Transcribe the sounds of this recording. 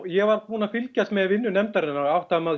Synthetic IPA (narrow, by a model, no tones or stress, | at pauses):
jɛɣvaɾkvuːnafɪlcast̪mɛvɪnːʏnɛmt̪aɾɪnːaɾawht̪ama